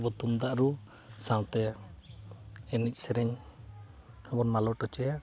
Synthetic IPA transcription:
bɔt̪umd̪aʔɾu | saw̃t̪ɛ | ɛnic̚ˀsɛɾɛɲ | ɔbɔnmalɔʈɔt͡ʃɛja

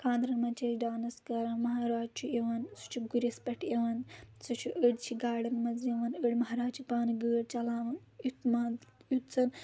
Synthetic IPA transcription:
kʰãːnd̪ɾɐnmɐnt͡ʃʰeɖaːnɐskɐɾaːnmɐɦaɾaːd͡ʒt͡ʃʰueʋɐnsu̥t͡ʃʰuɡuɾispɐʈeʋɐnsut͡ʃʰuʔəɽt͡ʃʰiɡaːɖɐnmɐzeʋɐnəɽmɐɦaɾaːt͡ʃʰupaːnɡəːɽt͡ʃɐlaːʋɐn | ut̪majut̪t͡sɐn

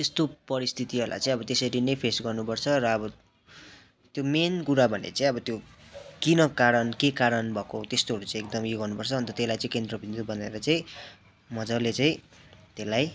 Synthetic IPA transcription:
t̪est̪opʌɾist̪ʰit̪iɦolʔa̰jt͡sãĩʌbʌt̪esʌɾinʌjpʰesɡʌrnupʌrt͡sʰʌɾʌːbʌ | t̪jomenkuɾabʱʌnḛt͡sãĩʌbʌt̪jokinʌkaɾʌnkekaɾʌnbʱʌkot̪est̪oɦʌɾut͡sãĩek̚d̪ʌmjeɡʌrnupʌrt͡sʰʌʌnt̪ʌt̪elajt͡sãĩkend̪rʌbʱind̪ubʱʌnḛɾʌt͡saĩ | mʌd͡zʌlet͡saĩ | t̪elaj

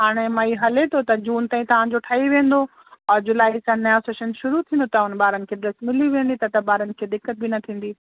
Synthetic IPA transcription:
ɦaːɽ̃emɐiɦɐlet̪ʰot̪ɐd͡ʑuːnt̪aːĩt̪ɐʋ̤ãd͡ʑoʈʰaːiʋẽːn̆d̪o | ɔːɾd͡ʑʊlaːisãnɐjaseːʃənʃʊɾut̪ʰĩːn̆d̪ot̪ɐɦʊnɓaːɾənɪ̆kʰeːɖɾɐsmɪliʋẽːnd̪it̪ɐt̪ɐbaːɾənɪ̆kʰeːd̪ɪkːət̪̚bɪnɐt̪ʰĩːn̆d̪iː

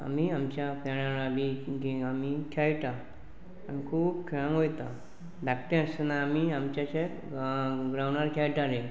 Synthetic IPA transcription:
a̰miamt͡ɕjapaɽãɾabiɡeamikʰjajʈa | anikʰuːbkʰɛɭãmojt̪a | d̪akʈẽəsənaːmiamt͡ɕjaɕẽ | ɡɾawnaɾkʰjajʈaɾe

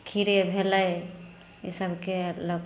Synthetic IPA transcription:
kʰiɾebʱeləj | isəbʱkelok

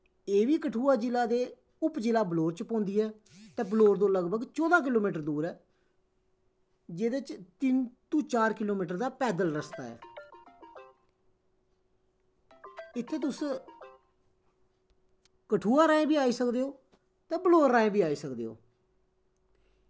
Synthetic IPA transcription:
eːʋiːkəʈʰuːaːd͡ʒɪlaːd̪eː | ʊpd͡ʒɪlaːbloːɾt͡ʃpɔ̃ːnd̪iːɦɛː | t̪ɛ̃ːbloːɾd̪õːləɡbəɡt͡ʃɔːd̪aːk̬ɪloːmiːʈəɾd̪uːɾɛː | d͡ʒeːd̪et͡ʃt̪ɪnt̪ũːt͡ʃaːɾkɪloːmiːʈ̬əɾd̪aːpɛːd̪əlɾəst̪a̰ːɛ̰ː | ɪt̪ʰːeːt̪ʊs | kəʈʰuːaːɾaːẽːbiːaːiːsəkd̪eːɦoː | t̪ẽːbəloːɾːãːẽːbiːaːiːsəkd̪ḛːɦo̰ː

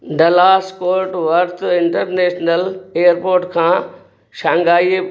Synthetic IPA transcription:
ɖɐlaːskoːɾʈʋɐɾt̪ɪ̃ɳʈəɾneːʃnəleːjəɾpoːɾʈkʰãː | ʃãːŋɡaːie

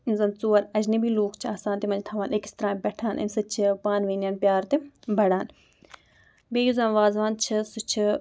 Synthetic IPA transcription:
zɐnt͡soːəɾɐd͡ʒnibiːloːkt͡ʃʰaːsãːnt̪emɐ̃nd͡ʒt̪ʰaʋãːnʔekst̪ɾãːbɛːʈʰaːnʔɪ̰nsɐt͡ʃʰpaːnʋeːnjaːnpʲjaːɾt̪ebɐɽaːn | beːjuzãːnʋaːzʋaːnt͡ʃʰɐsʊt͡ʃʰ

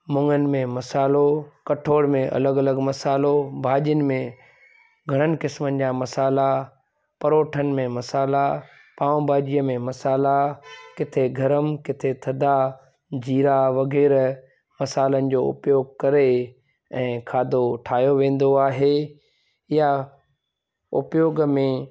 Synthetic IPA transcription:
mʊ̃ŋənɪ̆mẽmɐsaːlokɐʈʰoːɽmẽʔɐ̰ləɡɐləɡmɐsaːlobʱaːʄənɪ̆mẽ | ɡʱɐɽ̃ənɪ̆kɪsmənɪ̆d͡ʑaːmɐsaːla | pɐɾoːʈʰənɪ̆mẽmɐsaːla | pãːʊ̃bʱaːd͡ʑijəmẽmɐsaːlakɪt̪ʰeɡʱɐɾəmkɪt̪ʰet̪ʰɐd̪ʱa | d͡ʑiːɾaʋɐɣɛːɾ | mɐsaːlənɪ̆d͡ʑoːʊ̰pjoːɡkɐɾe | ɛ̃ːkʰaːd̪ʱoʈʰaːjoʋẽːn̆d̪oaːɦe | ja | ʊ̰pjoːɡmẽ

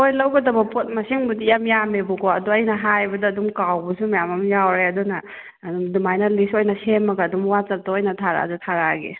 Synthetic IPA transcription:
ojlɐwɡɐdɐbɐpot̚mɐsiŋbudijamjamebukʰoɐduɐjnɐɦajbɐdɐɐdumkawbɐsumajamɐmjawɾeɐdɔnɐː | dumdumajnɐlisojnɐsemːɐɡɐːdumwat͡ʃɐp̚tɔojnɐtʰaɾa̰zutʰaɾaɡḛ

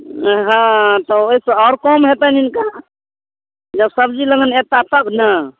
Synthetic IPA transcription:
ɦãt̪ɔoisə̃ɔːɾkɔmɦet̪əninka | d͡ʒəbsəbd͡ʒiləɡənet̪at̪əbnə

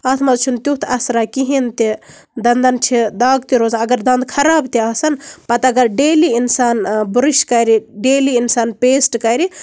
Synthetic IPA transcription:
ɐt̪ʰmɐzt͡ʃʰunt̪jut̪ʰɐsɾakiɦint̪i | d̪ɐnd̪ɐnt͡ʃʰid̪aːɡt̪iɾoːzɐɡɐɾd̪ɐnd̪kʰɐɾaːbt̪iɐsɐnpɐt̪ɐɡɐɾɖeːliinsaːnbuɾiʃkɐɾiɖeːliinsaːnpeːsʈkɐjɾi

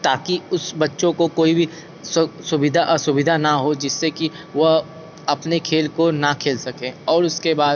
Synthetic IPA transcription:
t̪aːkiʊsbɐtːʃõkokoːibʱi | ssʊbɪd̪ʱaʔsʊbɪd̪ʱanaɦod͡ʒɪsːeki | ʋo | ɐpnekʰeːlkonakʰeːlsɐkẽːɔːɾʊskebaːd̪

